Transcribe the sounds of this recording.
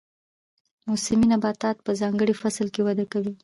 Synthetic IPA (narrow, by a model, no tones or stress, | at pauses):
musɪminabɑt̪ɑt̪̚pəzɑŋɡəɽifaslkewad̪akawi